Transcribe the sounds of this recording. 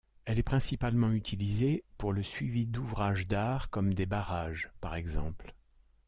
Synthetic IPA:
ɛlɛpχɛ̃sipalmɑ̃yt̪ʰilizepuʁləsɥivid̪uvʁaʒd̪aʁkɔmd̪ebaʁaʒpaʁɛɡzɑ̰̃pl

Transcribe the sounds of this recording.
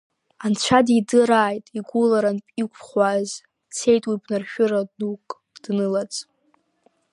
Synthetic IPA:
ant͡ɕʷʰadidɨɾaːjtʼiɡʷulaɾanpʼikʷʰʼχʷaz | t͡sʰejtʼwibnarʃᶣʊɾanukʼ | d̥nɨlat͡sʼ

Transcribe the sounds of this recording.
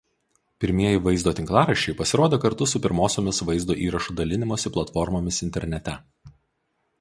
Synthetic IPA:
pʲɪɾʲmʲiɛjɪʋɐɪzd̪oːt̪ʲɪŋklˠɑːɾɐʃʲːɛɪpɐsʲɪɾoːd̪ʲeːkɐɾt̪ʊsʊpʲɪɾmoːsʲoːmʲɪsʋɐɪzd̪oːʔiːɾɐʃuːd̪ɐlʲɪnʲɪmoːsʲɪplˠɐt̪fɔɾmoːmʲɪsɪnʲt̪ʲɛɾʲnʲɛt̪ʲɛ

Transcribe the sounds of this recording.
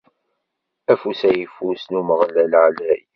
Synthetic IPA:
æfusæjifusnuməʁlælʕlæj

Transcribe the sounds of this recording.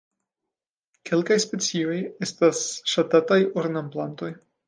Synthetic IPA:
kʰʲe̞lkajspe̞t͡sio̞jest̪asʃat̪at̪ajoɾnamplant̪o̞j

